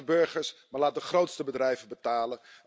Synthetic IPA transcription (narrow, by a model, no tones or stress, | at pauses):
bøɹχəɹsmalaːt̚dəχroːtstəbədrɛjvəbətaːlə